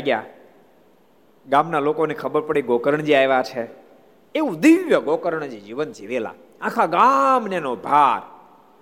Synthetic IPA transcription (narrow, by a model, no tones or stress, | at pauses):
aiɡja̰ | ɡamnalokonekʰəbəɾpəɽeɡokəɾəɳ̃d͡ʒiaeʋat͡ʃʰe | eũd̪iʋjəɡokəɾəɳ̃d͡ʒed͡ʒiʋənd͡ʒiʋela̰ | ãkʰaɡamnenobʱaɾ